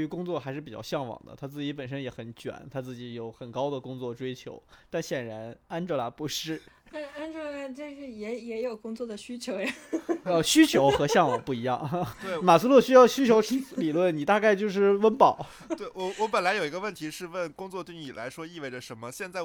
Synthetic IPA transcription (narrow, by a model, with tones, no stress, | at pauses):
y˧˥kʊ˥ŋt͡swɔ˥˩xa˧˥ɪʂɻ̩˥˩pi˨˩t͡ɕjɑ̰˥˧ɕjɑ˥˩ŋwɑ̰˨˩ŋd̪ə̰˦t̪ʰa˥t͡sɹ̩˥˩t͡ɕi˧˥pə˨˩nʂə˥njɛ˧˥xə˧˥nt͡ɕɥɛ̰˨˩˦nt̪ʰa˥t͡sɹ̩˥˩t͡ɕi˧˥jo˧˩ʊxə˨˩nkɑ˥ʊd̪ə˨kʊ˥ŋt͡swɔ˥˩ʈ͡ʂwe˥ɪt͡ɕʰjo̰˧˥ʊt̪a˥˩nɕjɛ˨˩nɻa˧˥na˥nʈ͡ʂl̰pu˧˥ʂɻ̩˥˩a˥a˥nʈ͡ʂo˥˧a˥˩ʈ͡ʂə˥˧ʂɻ̩˥˩jɛ˧˥jɛ˧˥jo˨˩ʊkʊ˥ŋt͡swɔ˥˩d̪ə˩ɕy˥t͡ɕʰjo˧˥ʊja˨˩ə˧ɕy˥t͡ɕʰjo˧˥ʊxɤ˧˥ɕjɑ˥˩ŋwɑ˨˩ŋpu˥˩i˧˥jɑ̰˥˩ŋt̪we˥˩ɪma˨˩su˥lwɔ˥˩ɕy˥jɑ˥˩ʊɕy˥t͡ɕʰjo˧˥ʊʈ͡ʂ̩˥li˨˩lwə˥˩nni˨˩t̪a˥˧ka˥˧ɪt͡ɕjo˥˧ʊʂ̬ɻ̩˥˩wə˥npɑ˨˩˦ʊ | we˥˩wɔ˧˩wɔ˧˥pə˨˩nla˧˥ɪjo˨˩ʊi˧˥ɡə˧wə˥˩nt̪ʰi˧˥ʂɻ̩˥˧wə˥˩nkʊ˥ŋt͡swɔ˥˧t̪we˥˩ɪni˨˩la̰˧˥ɪʂwɔ˥i˥˧we˥˩ʈ͡ʂə˩ʂə˧˥nmə˧ɕjɛ˥˧nt͡sa˥˩ɪ